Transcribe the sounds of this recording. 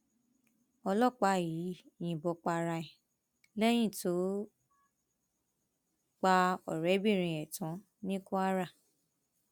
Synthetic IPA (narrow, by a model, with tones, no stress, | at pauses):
ɔ˧lɔ˦˨k͡pa˨˦˨ji˨˦˨j̃ĩ˧˨bɔ˧˦k͡pa˧ɾa˧i˨ | lɛ˦j̃ĩ˦˨to˨˦ | k͡pa˧ɔ˨ɾɛ˨˦bi˦˨ɾ̃ĩ˧˨ɛ˨tɔ̃˨˦ | nĩ˦ko˦a˦ɾa˦˨